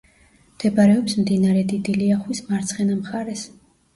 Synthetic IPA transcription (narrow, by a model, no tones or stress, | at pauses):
md̪̥ɛbaɾɛɔpsmd̪inaɾɛd̪id̪iliaχwismaɾt̪sʰχɛnamχaɾɛs